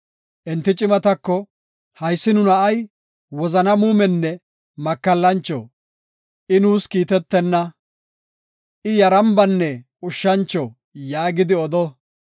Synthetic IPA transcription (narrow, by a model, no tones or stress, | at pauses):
ʔɛnt̪ːɪt͡ʃʼɪmɐt̪ɐkːɔ | hɐjsːɪnʊnɐʔɐj | wɔzɐnɐmuːmɛnːɛ | mɐkːɐlːɐnt͡ʃːɔ̰ | ʔɪnuːskiːt̪ɛt̪ːɛnːɐ | ʔɪjɐɾɐmbɐnːɛ | ʊʃːɐnt͡ʃːɔ | jaːɡɪd̪ɪɔd̪ɔ